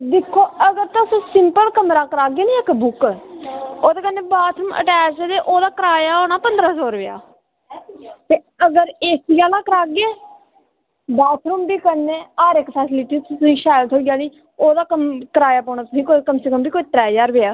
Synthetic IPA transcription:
d̪ɪkʰːoːəɡəɾt̪ãsõːsɪmpəlkəmɾaːkəɾaːɡeːnĩːəkbʊk | oːt̪eːkənːeːbaːt̪ʰɾuːmə̰ʈɛːt͡ʃed̪eːʔoːd̪aːkəɾaːjaːɦoːñaːpənd̪əɾaːsoːɾʋeja̰ː | t̪eː | əɡəɾeːsijaːlaːkəɾaːɡeː | baːt̪ʰɾuːmbiːkənːeːaːɾɪkpʰɛːsɪlɪʈiːt̪t̪ʊsĩːʃɛːlt̪ɦoːiɡjaːniː | oːd̪aːkəmkəɾaːjaːpoːɳ̃aːt̪ʊsĩːkokəmseːkəmbiːkoːit̪ɾɛːjaːɾʋeːaː

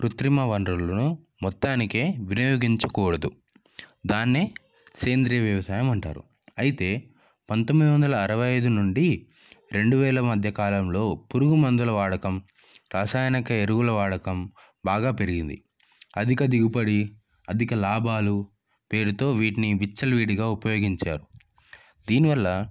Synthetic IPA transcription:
pɾut̪ɾimɐʋɐɳɖɾulɐnu | mɔt̪ːaːnike̞ːʋinɐjoːɡiɲt͡ʃɐkuːɽɐd̪u | d̪aːnːeː | keːnd̪ɾijɐʋjɐʋɐsaːjɐmɐɳʈa̰ːɾṵ | ɐjit̪e̞ː | pɐnt̪omːid̪iʋɐnd̪ɐlɐːɾɐʋɐjɐjd̪unuɳɖi | ɾe̞ɳɖuʋɛːlɐmɐd̪ʱjɐkaːlɐmlo̞ːpuɾuɡumɐnd̪ulɐʋaːɽɐkɐm | ɾaːsaːjɐnikɐeɾuɡulɐʋaːɽɐkɐm | baːɡaːpe̞ɾiɡind̪ḭ | ɐd̪ʱikɐd̪iɡupɐɽi | ɐd̪ʱikɐlaːbʱaːlu | pe̞ːɾut̪o̞ːʋiːʈiniʋit͡ʃːɐlʋiːɽiɡaːupɐjo̞ːɡiɲt͡ʃa̰ːɾu | d̪iːniʋɐlːɐ

